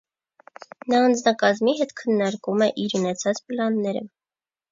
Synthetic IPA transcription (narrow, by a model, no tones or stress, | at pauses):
nɑːnd͡znɑkɑzmiɦɛt̪kʰənːɑɾkumɛʔiɾunɛt͡sʰɑt͡spəlɑnːɛɾə̰